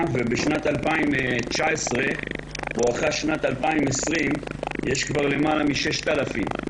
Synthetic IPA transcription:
vebeʃnat̪alpaimt͡ʃaesʁe̞boaχaʃnat̪alpaimesʁimjeʃkvaʁle̞malamiʃe̞ʃt̪alafim

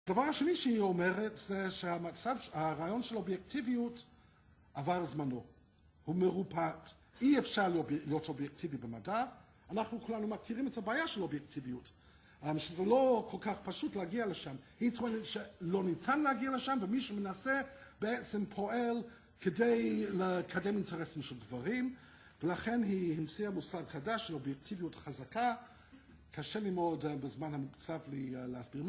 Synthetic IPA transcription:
adavaʁhaʃeniʃehiomeʁetz̥eʃeamat͡savhaʁaːjo̞nʃelobjektiviut | avaʁzmano̞ | humeʁupʰat | iefʃaʁlobijotobjek̚tʰivibema̰da | anaχnukʰulanumakʰiʁimetʰabaːjaʃelobjektʰivijut | mʃezɛlo̞kʰo̞lkaχpaʃutleaɡialeʃamhitoenetʃelo̞nitʰanlehaɡialəʃamvəmiʃumenasɛbeet͡sempʰo̞el | kʰedejlekʰademintʰeʁɛsimʃelɡvaʁim | velaχenɦihimt͡siamusadχadaʃelobjek̚tʰivijutχazaka | kʰaʃelimo̞dbezmanhamut͡saflileasbiʁm

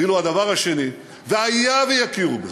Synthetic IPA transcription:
iload̪ɐvaʁaʃeni | veajavejakiʁbe

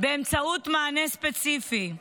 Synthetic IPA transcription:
bemt͡sɐut̪maːnespesifi

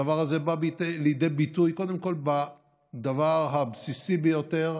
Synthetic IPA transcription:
avaʁhazebabitlejd̪ejbit̪ujko̞d̪e̞mko̞lba | d̪avaʁɦabsisibejo̞t̪e̞ʁ

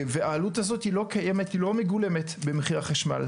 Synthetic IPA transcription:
veaːluthazo̞thilo̞kajemetilo̞meɡule̞metbemeχiʁaχaʃma̰l

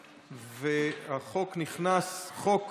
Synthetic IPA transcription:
vehaχo̞kniχnasχok

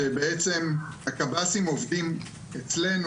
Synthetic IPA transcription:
ebe̞et͡se̞mhakabasimo̞vdim | et͡sle̞nu

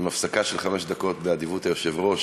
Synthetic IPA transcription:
mafsakaʃelχameʃd̪ako̞t̪bead̪ivut̪ajoʃevʁo̞ʃ

